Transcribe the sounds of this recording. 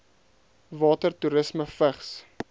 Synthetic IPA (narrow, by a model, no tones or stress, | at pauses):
vɑːtərtuɾəsməfəχs